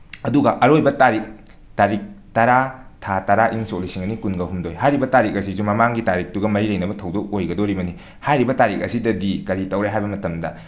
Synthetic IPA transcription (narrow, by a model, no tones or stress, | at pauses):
ɐduɡɐʔɐɾojbɐtaɾik̚ | taɾik̚tɐɾatʰatɐɾaʔiŋsolisiŋɐnikunɡɐɦumdojɦajɾibɐtaɾik̚ɐsizumɐmaŋɡitaɾik̚tuɡɐmɐɾilɐjnɐbɐtʰɐwdok̚ojɡɐdoɾibɐni | hajɾibɐtaɾik̚ɐsidɐdikɐɾitɐwɾajɦajbɐmɐtɐmdɐ